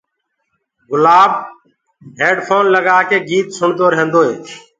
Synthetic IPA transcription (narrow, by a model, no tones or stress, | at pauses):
ɡʊlaːb | ɦeːɖpʰoːnləɡaːkeːɡiːt̪sʊɳt̪oːɾəɦə̃nd̪oːḛː